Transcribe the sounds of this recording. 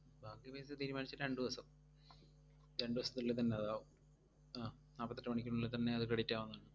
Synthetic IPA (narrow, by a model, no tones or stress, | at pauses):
bʱaːkːijɐbeːst̪iːɾumaːnit͡ɕːɨɾe̞ɳɖɨʋɐsɐm | ɾeɳɖɨʋɐsɐ̥t̪ːiɭlːet̪ɐnːe̞ɐðaːʋum | aː | aːpɐt̪ːɐʈːɐmɐɳikʲːuɳilːet̪ɐnːe̞ɐðɨkɐɽitːaːʋɐnːaːɳɨ